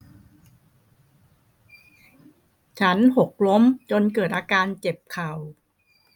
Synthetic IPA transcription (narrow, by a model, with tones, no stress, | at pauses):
t͡ɕʰa˦˥nɦo˨˩k̚lo˦˥mt͡ɕo˧nkɤː˨˩t̪̚ʔaː˧kaː˧nt͡ɕe˨˩p̚kʰa˨˩w